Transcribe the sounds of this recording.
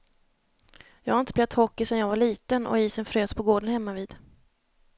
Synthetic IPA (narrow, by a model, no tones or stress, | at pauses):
jɑːɡhaɾɪnt̪əb̪lɛvt̪hɔkːɪsɛnjɑːɡvaɭiːt̪ənʔɔ̰iːsənfɾøːspʰɔɡoːɖənhɛmːaviːd̪̥